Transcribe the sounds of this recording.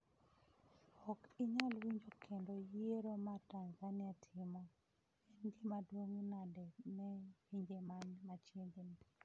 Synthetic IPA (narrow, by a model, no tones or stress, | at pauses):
ɔkɪɲalwiɲd͡ʒokʰendojeɾomataŋɡanɪatʰɪmɔ | ɛnɡɪmadwoŋnadɛnɛwiɲd͡ʒemanmat͡ʃenɡen